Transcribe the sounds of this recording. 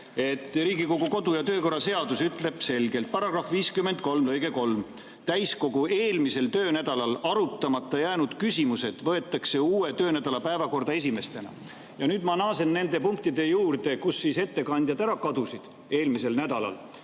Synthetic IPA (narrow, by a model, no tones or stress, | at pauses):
e̞t̪ˑːriːɡiko̞ɡ̥oko̞d̪ujɑt̪øːko̞rːɑse̞ɑd̪usyt̪ːˑle̞b̥se̞lɡe̞lt̪̚pɑɾɑɡ̥rɑfviːskymend̪̚ko̞lmlɤjɡ̥e̞ko̞lm | t̪æjsko̞ɡ̥uʔe̞ːlmise̞lt̪øːnæd̪̥ɑlɑlɑɾut̪ːˑɑmɑt̪ːˑɑjæːnud̪̥kysʲimuse̞d̪̥vɤe̞t̪ˑːɑkse̞uːe̞t̪ø̞ːnæd̪ɑlɑpæevɑko̞rd̪ɑe̞s̬ʲime̞st̪e̞nɑ̰ | jɑnyːd̪̥mɑnɑːse̞nːe̞nd̪e̞puŋk̚t̪id̪̥e̞juːrd̪e̞kusːise̞t̪ːe̞kɑnʲd̪jɑd̪æɾɑkɑd̪̥usid̪̥ | e̞ːlmise̞lnæd̪ɑlɑ̰l